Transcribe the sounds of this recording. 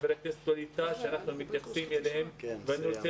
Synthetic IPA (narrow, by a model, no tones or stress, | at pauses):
veɾet̪est̪alit̪aʃeanaχnumit̪jaχsimelehemveanut͡se